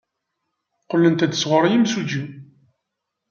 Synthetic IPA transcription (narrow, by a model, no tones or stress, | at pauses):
qəlːənt̪æd̪əsʁəɾˤjimsud͡ʒi